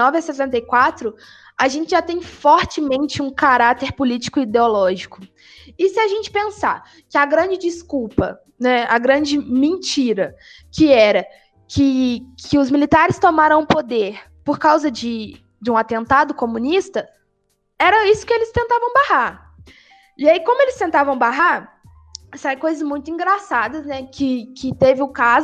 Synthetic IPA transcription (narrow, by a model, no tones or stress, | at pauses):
ɔvɪɐsesẽnt̪̬ɐjkwat̪ɾʊ | aʒẽnt͡ʃɪʒat̪ẽj̃fɔɾt͡ʃɪmẽnt͡ʃɪũkaɾat̪eɾpolit͡ʃi̥kʊid̪eolɔʒikʊ | ɪsɪaʒẽnt͡ʃɪ̥pẽsa̰ | kɪaɡɾɐ̃d͡ʒɪd͡ʒiskuwpɐ | nɛaɡɾɐ̃d͡ʒɪmẽnt͡ʃiɾɐ | kɪɛɾɐ | kʰɪkʰɪʊzmilit̪aɾɪst̪omaɾɐ̃w̃ʊ̃pod̪eɾ | poɾkawzɐd͡ʒɪ | d͡ʒɪũat̪ẽnt̪ad̪ʊkomũnist̪ɐ | ɛɾɐisʊ̥kɪelɪst̪ẽnt̪avɐ̃w̃baha | ɪaikõmʊelɪst̪ẽnt̪avɐ̃w̃baɦaɾ | sajkojzɐzmũj̃t̪ʊĩɡɾasad̪ɐsnɛkʰɪkɪt̪evɪʊkaz